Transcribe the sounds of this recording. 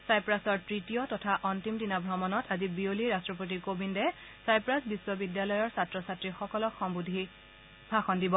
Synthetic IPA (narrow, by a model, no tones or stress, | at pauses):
sajpɹasɔɹtɹitijɔtɔtʰaʔɔntimdinabʱɹɔmɔnɔtʰazibioliɹastɹɔp̬ot̬ikobindɛ | sajpɹasbiswɔbidjalɔjɔɹsatɹɔsatɹixɔkɔlɔxʰɔmbudʱi | bʱaxɔndibɔ